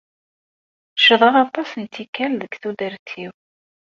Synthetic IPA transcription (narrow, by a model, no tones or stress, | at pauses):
ʃəðˤəʁɑt̪ˤːɑsnit͡s̪ːikːænðəkθud̪əɾt̪ʰːiw